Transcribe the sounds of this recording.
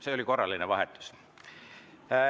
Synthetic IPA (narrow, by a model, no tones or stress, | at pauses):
se̞o̞liko̞rːɑlːineʋɑɦet̪ːˑu̥s